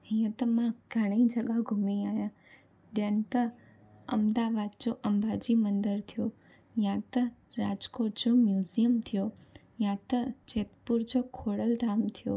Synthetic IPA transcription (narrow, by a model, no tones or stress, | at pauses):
ɦĩjə̃t̪əmãɡ̥ʱəɽ̃id͡ʒəɡaɡʱumiajã | ɖent̪ə | ə̰md̪aʋad̪̚d͡ʒoʔəmbad͡ʒimənd̪əɾt̪ʰijo | jãt̪ə | ɾad͡ʒkoʈd͡ʒomjuzijəmt̪ʰijo | jãt̪əd͡ʒet̪puɾd͡ʒokʰoɽəld̪ʱamt̪ʰijo̰